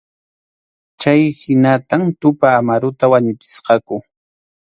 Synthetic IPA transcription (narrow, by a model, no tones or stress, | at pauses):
t͡ʃajhɪnat̪amt̪ʊpaːmaɾʊt̪awaɲʊt͡ʃɪ̥sqɑkʊ